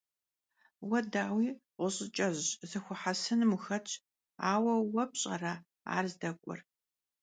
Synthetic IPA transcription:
wɐdaːwiːqʷʊɕʼɪt͡ʃʼɐʑzɨxʷʊħasɨnmuxɐt͡ʃʰʼ | aːwɐwɐpɕʼɐ̰raː | a̰ːrzdɐkʷʼɔ̰r

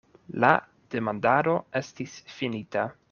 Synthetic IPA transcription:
la̰ | d̥e̞mandaɾo̞e̞stisfinita

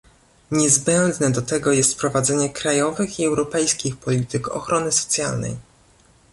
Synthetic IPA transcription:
ɲɛzbɛnd̪nɛd̪ɔt̪ɛɡɔjɛst̪pɾɔvad̪zɛɲɛkɾajɔvɘxiɛwɾɔpɛjskʲixpɔlʲit̪ɘkɔ̰xɾʔɔnɘsɔ̥t̪sʲja̰lnɛ̰j

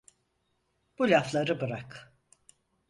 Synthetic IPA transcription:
b̥ulʲaflˠaɾɯbɯɾak

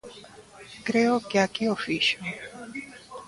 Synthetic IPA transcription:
ɡ̥ɾɛɔɡjakʼiɔfiʃmi

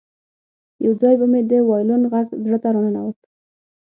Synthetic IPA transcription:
jawd͡zɑjbamed̪əwɑjlonɣaɡzɽət̪aɾonənawək

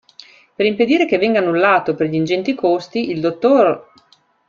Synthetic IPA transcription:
peɾimped̪iːɾekevːɛŋɡaːnːulːaːt̪operʎind͡ʒɛnt̪ikost̪iild̪ot̪ːor

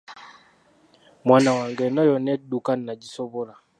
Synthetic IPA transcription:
mwanawaŋɡɛnɔjɔnɛdukannaɟisɔβɔla

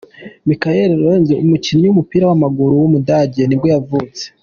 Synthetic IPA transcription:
mikajeɾeɾonzeumuciniɲiwumupiːɾawamaɡuɾuwumudaɟeniɡojavut͡se̥

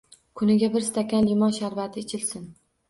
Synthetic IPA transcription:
kʰʊnɪɡʲabɪɾst̪ʰakʲanlimɒnʃaɾvat̪ʰɪːt͡ʃʰɪlsɪn

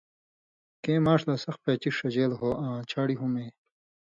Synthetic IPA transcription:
kẽːmaːʂlaːsɐxpeːt͡ɕiʂɐd͡ʑeːlɦoːʔãːt͡ɕʰaːɽiɦumẽː

